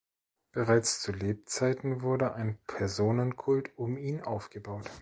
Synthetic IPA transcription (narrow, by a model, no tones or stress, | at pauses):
b̥əʁaɪt͡st͡suleːp̚t͡saɪtn̩vʊɐdəʔaɪnpʰɛɐzoːnənkʰʊltʊmiːnʔaʊfɡ̥əbaʊt